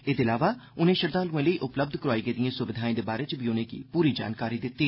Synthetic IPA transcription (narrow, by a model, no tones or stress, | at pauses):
ɪd̪ɪlaːʋaːʊnẽːʃəɾd̪ãːluẽːləiːʔʊpləb̚d̪ʱkəɾaːiːɡeːd̪ijãːsʊʋɪd̪ʱaːẽːd̪eːbaːɾeːt͡ʃbiːʊnẽːkḭːpuːɾiːd͡ʒa̰ːnkaːɾiːd̪ɪt̪ːiː